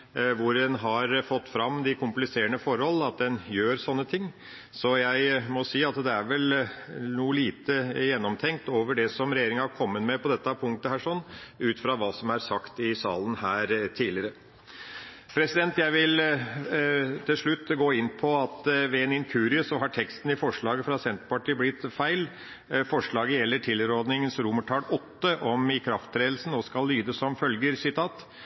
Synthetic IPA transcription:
ʋʊɾɛnɦɑɾfɔt̪ːfɾɑmːd̪ɪkʰʊmplɪseːəɳəfɔɾhɔl̩ɑt̪̚d̪ɛnjøːɾsɔnːət̪ʰɪŋː | sɔjæɪmɔsiːɑt̪d̪ɛæɾʋɛlnuːəliːt̪əjɛnːɔmt̪ʰɛŋk̚t̪oːʋəɖɛsɔmɾɛjeːɾɪŋəhɑɾkʰɔmːət̪mɛpʰɔd̪ɛt̪ːəɑpʰʊŋk̚t̪əhæːʂɔnːʉːt̪fɾɑʋɑːsɔmæɾsɑkt̪ɪsɑːlən̩hæːɾt̪ʰiːlɪəɾə | pʰɾɛsɪd̪ɛnt̪jæɪʋɪl | t̪ʰɪlʂɭʉt̪ːɡoːɪnːpʰɔɑt̪ʋɛeːnɪnkʰʉːɾɪəsɔɦɑʈʰɛkst̪n̩ɪfɔʂɭɑːɡəfɾɑsɛnt̪əpɑʈiːblɪt̪ːfæɪl | fɔʂɭɑːɡəjɛlːəʈʰɪlɾɔɾd̪nɪŋənsɾʊməʈʰɑːlɔt̪ːəʔɔmɪkʰɾɑft̪ʰɾeːd̪l̩sn̩oːskɑlːyːd̪əsɔmfœlɡəɾsɪt̪ʰɑːt̪

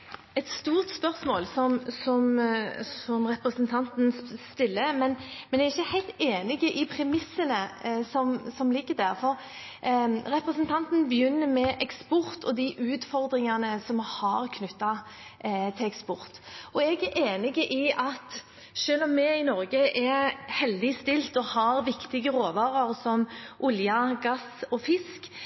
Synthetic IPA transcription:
ɛt̪st̪uːɾt̪spœʁsmoːlsɔmsɔmsɔmɾɛpɾəsənt̪ʰɑnt̪n̩st̪ɪlːəmɛnmɛnæʁɪçːəhæɪt̪eːnɪɡəʔɪpʰɾɛmɪsːənəsɔmsɔmliɡəd̪æʁfɔɾ | ɾɛpɾəsənt̪ʰɑnt̪nbəjʏnːəmɛʔɛkspʊʁt̪ʰɔd̪iʔʉːt̪fɔʁd̪ɾɪŋɑnəsɔmhɑɾkʰnʉt̪ːɑ | t̪ʰɪlɛkspɔɾt̪ɔɛɡæʔeːnɪɡəʔɪɑt̪ | ʃøːlɔmːɛɪnɔɾɡəʔɛɾhɛld̪ɪst̪ɪlt̪ɔhɑɾʋɪkt̪ɪɡəɾoːʋɑːɾəɾsɔmʔʊljɑɡɑsɔfɪsk

